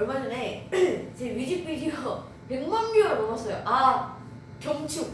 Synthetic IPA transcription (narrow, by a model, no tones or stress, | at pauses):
ɭmad͡ʑʌnet͡ɕeɥid͡ʑik̚p͈id͡ʑiʌʌ | pe̞ŋmanmoʌɾomʌmʌs͈ʌjoʔa | kjʌŋt͡ɕʰu